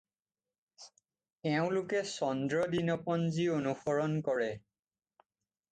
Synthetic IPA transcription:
ɛʊ̃lʊkɛsɔndɹɔdinɔpɔnzionuxɔɹɔnkɔɹɛ

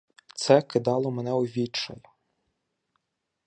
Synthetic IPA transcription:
t̪sɛkɪd̪ɑlˠɔmenɛʊʋʲit͡ʃɐjʊ

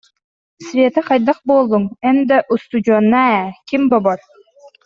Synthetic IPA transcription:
svʲeːt̪aqajd̪aχbuːlˠːuŋɛnd̪aʔust̪ud͡ʑuɔːnːaɛkimbɔbɔɾ

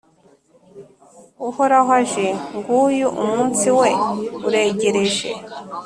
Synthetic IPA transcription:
uhoɾaɦwaʒeŋɡuːjuʔumuːnsiweuɾe̞ɟeɾeʒḛ

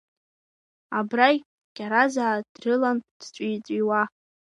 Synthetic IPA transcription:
abraj | ɡ̥ʲʼaɾazaːd̥rɨland̥t͡ʃʷʼijt͡sʷʼiwa

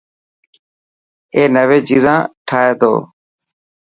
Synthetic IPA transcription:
eːnəʋeːt͡ʃiːzãːʈʰaːeːt̪ʰo̰ː

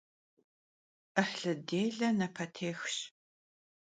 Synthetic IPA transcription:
ʔəħɬɨdeːɮɐnɐpʰɐtʰeːxɕ

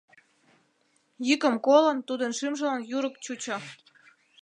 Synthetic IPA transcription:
jykə̆mkolə̆nt̪ud̪ənʃymʒə̆lɑnjuɾəkt͡ɕut͡ɕo

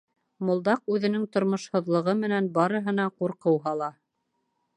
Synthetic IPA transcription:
mŏlˠd̪ɑqʉðɘ̆nɘŋt̪ŏɾmŏʃhŏðlˠɤ̆ʁɤmɘ̆nænbɑɾɤ̆ɦɤ̆n̪ɑquɾqɤwɦɑlˠɑ

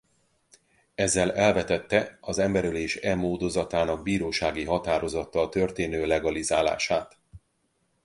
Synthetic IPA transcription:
ɛzːɛlɛlvɛt̪ɛt̪ːɛɒzɛmbɛɾyleːʃɛmːoːd̪o̞zɒt̪aːnɒɡ̚biːɾoːʃaːɡiɦɒt̪aːɾo̞zɒt̪ːɒt̪ø̞rt̪eːnøːlɛɡɒlizaːla̰ːʃaːt̪

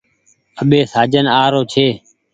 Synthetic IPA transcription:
əɓeːsaːd͡ʒənaːɾoːt͡ʃʰeː

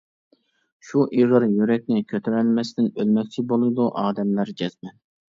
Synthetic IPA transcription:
ʃuʔiʁəɾjyɾɛk̚ʲnɪkʲʰøt̪ʰyɾɛlmɛst̪ɪnølmɛk̚ʲt͡ʃʰibolˠɨd̪uʔɑːd̪ɛmlæɾd͡ʒɛz̥mɛn

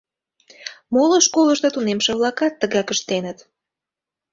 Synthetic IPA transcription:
moləʃkoləʃt̪ot̪unemʃĕβlɑkɑt̪ːəɣɑkəʃt̪enət̪

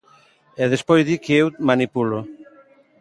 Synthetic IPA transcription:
ɛðespojzðikeewmanipulo

